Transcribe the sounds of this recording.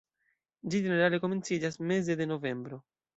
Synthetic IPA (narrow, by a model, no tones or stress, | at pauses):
d͡ʒid͡ʒe̞ne̞ɾale̞ko̞me̞nt͡sid͡ʒasme̞ze̞de̞no̞ve̞mbɾo̞